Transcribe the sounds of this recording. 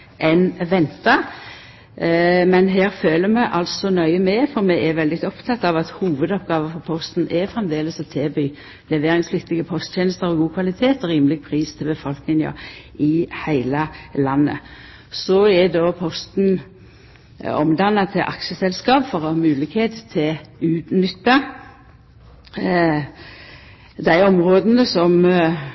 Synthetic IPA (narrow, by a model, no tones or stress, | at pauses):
ʔɛnʋɛnt̪ɑ | mɛnɦæːɾføːləmɛʔɑlsɔnœʏəmɛfɔɾmɛʔɛʋɛld̪ɪt̪ɔpt̪ʰɑt̪ːɑʋɑt̪huːʋəd̪ɔpɡ̥ɑːʋəfɔɾpʰɔst̪n̩ʔɛfʁɛmd̪eːləsɔt̪ʰeːby | lɛʋeːɾɪŋsflɪt̪ːɪɡəpʰɔst̪tʰjeːnəst̪əɾɔɡuːkʰʋɑlɪt̪ʰeːt̪ɔɾiːmlɪɡ̚pʰʁiːst̪ʰɪlbəfɔlknɪŋə̰ɪhæɪləlɑnːə̰ | sɔɛd̪oːpʰɔst̪n̩ | ɔ̰md̪ɑnːɑt̪ʰɪʔɑkʃəsɛlskɑːpfɔʁɔhɑːmʉːlɪɡheːt̪t̪ʰːɪʉːt̪nʏt̪ːɑ | d̪æɪɔmʁoːd̪nəsɔm